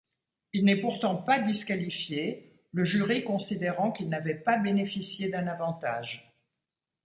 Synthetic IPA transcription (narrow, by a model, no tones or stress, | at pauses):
ilnɛpuʁt̪ɑ̃pad̪iskalifje | ləʒyʁikɔ̃sid̪eʁɑ̃kilnavɛpabenefisjed̪ɛ̃navɑ̃t̪a̰ːʒ